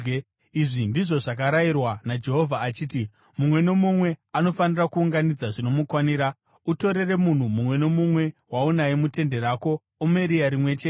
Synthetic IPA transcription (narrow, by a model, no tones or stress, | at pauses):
iʐindiʐo̞ʐak̬aɾairwanad͡ʒe̞ɦo̞vʱaːt͡ʃiːti | mumwe̞nomumwe̞ano̞fanirakuuŋɡanid͡zaʐino̞mukwaniːɾa | uto̞ɾe̞re̞mun̤umumwe̞no̞mumwe̞waunaimute̞nde̞ɾaːko̞ː | meɾiaɾimwe̞t͡ʃe